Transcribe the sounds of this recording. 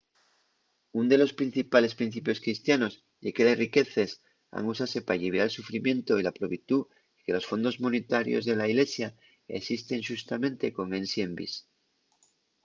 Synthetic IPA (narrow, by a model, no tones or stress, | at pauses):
und̪e̞lo̞spɾin̟θipale̞spɾin̟θipjo̞skɾist̪jano̞z | ʝekelesrike̞θe̞s | a̰ŋusase̞paʎiβjaelsufɾimjẽ̞nt̪o̞ilapɾoβit̪u | ike̞lo̞sfo̞nd̪o̞zmonet̪aɾjo̞̰zðe̞laiɣle̞sja | e̞̰sist̪e̞ŋʃust̪amẽ̞nt̪e̞ko̞ŋe̞nsjembḭs